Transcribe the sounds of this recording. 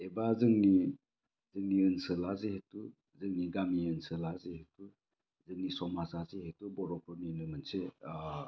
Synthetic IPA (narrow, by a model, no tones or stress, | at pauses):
ebazɯŋni | zɯŋniɯnsɯlazehetu | zɯŋniɡamiɯnsɯlazehetu | zɯŋnisɔmasazeɦetubɔɾɔp̚ʰɔninɯmɯnse